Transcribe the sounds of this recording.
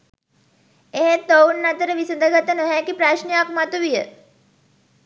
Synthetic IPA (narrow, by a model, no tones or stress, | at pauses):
eɦet̪ownːat̪əɾəʋisəd̪ʱəɡat̪ənoɦɛkipɾaʃniapmat̪uʋijə